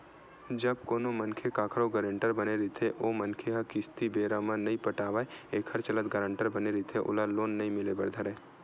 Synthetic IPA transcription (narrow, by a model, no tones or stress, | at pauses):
d͡ʒɐbkoːnomənkʰekaːkʰɾoɡəɾə̃ɳʈəɾbəneɾit̪ʰeʔoːmənkʰeɦakɪst̪ibeːɾamãnɐɦĩpəʈaːʋaeeːkʰəɾt͡ʃələt̪ɡəɾə̃ɳʈəɾbəneɾit̪ʰeʔʊ̰laloːnːɐɦĩmɪlebɐ̰ɾd̪ʱəɾeː